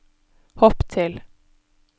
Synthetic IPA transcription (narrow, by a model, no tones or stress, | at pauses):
hoːpt̪ʰɪl